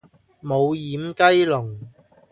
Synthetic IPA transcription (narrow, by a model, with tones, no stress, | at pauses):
mo˨˧wjiː˨˥mkɐ˥jlʊ˨˩ŋ